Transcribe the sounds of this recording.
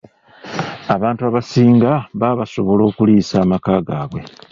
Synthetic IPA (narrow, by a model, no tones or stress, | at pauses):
aβaːntuaβasiːŋɡaβaːβaso̞βo̞lo̞ːkuliːsaːmakaːɡaːβwe̞